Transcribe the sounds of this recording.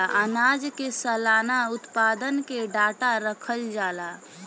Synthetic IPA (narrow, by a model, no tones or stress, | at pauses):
ʔənaːd͡ʒkesəlaːnaʊt̪paːd̪ənkeɖaːʈaɾəkʰəld͡ʒaːla